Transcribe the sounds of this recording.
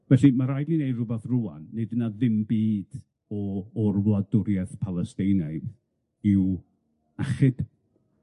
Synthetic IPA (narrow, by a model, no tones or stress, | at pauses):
vɛɬimaɾajdnɨnejrʊbɛθrʊa̰nːɨdənaðɪmbiːd̥ | ɔɔrwlˠadʊɾjɛθpʰalˠɛstejnajð | ɪw | aχɪd̥